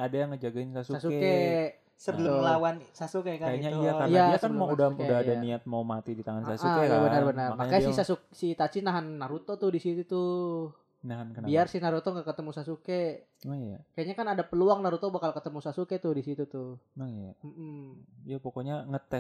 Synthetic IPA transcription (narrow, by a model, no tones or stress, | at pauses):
adajaŋːəd͡ʒaɡaɪnsasusasueke | səbəlʊmmlawansasukekakajaɲaijaaijaakanmaudaudaadaniat̪̚mawmat̪idit̪aŋansasuakebənərbənərmakaasisasuksit̪asinaɦanːaɾut̪ot̪ʊdisit̪ut̪ʊ | naɦankənbiarsinaɾut̪ɔŋɡakət̪əmusasuke | ojakajaɲakanadapəluaŋnaɾut̪ɔbakalkət̪əmusasuket̪ʊhdisit̪ut̪ʊnajam̩m̩ijapokoɲaŋət̪ɛ